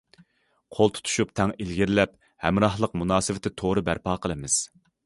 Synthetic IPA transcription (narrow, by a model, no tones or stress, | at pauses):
qʰolˠt̪ʰu̥t̪ʰu̥ʃupt̪ʰɛŋilɡʲiɾlɛp̚ | hɛmɾɑhlˠəq̚munɑːsɪvɪt̪ʰɪt̪ʰoɾɨbæɾpɑːqʰəlˠɨmɨz̥